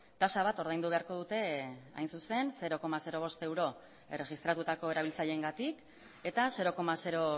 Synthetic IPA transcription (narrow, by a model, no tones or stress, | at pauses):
t̪asaβ̞at̪o̞ɾð̞ajnd̪uβ̞e̞aɾko̞ð̞ut̪e̞a̰jnsuse̞nse̞ɾo̞ko̞mase̞ɾo̞β̞o̞st̪e̞wɾo̞ | e̞re̞ɣist̪ɾat̪ut̪ako̞e̞ɾaβilt͡saʎe̞ːŋɡat̪ik | e̞t̪ase̞ɾo̞ko̞mase̞ɾo̞